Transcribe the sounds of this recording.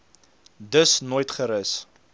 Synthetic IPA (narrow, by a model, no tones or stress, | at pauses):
dəsnoːjtχəɾəs